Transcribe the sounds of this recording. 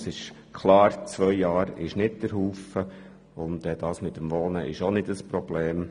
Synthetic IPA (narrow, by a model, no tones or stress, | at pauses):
sɪʃ | kʰlɑːɾt͡sʋœjjɑːɾɪʃnɪt̚d̥əɾɦuːfə | ʊndɛd̥ɑːsmɪtːəmʋoːnəʔɪʃonɪdəspɾɔb̥lɛːm